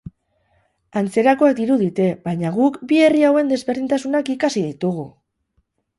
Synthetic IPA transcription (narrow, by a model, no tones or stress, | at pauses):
ant͡se̞ɾako̞ak̚d̪iɾuð̞it̪e̞βajɲaɣ̞ukbie̞riawe̞nd̪e̞zβe̞ɾð̞int̪asunakikasiðit̪uɣ̞u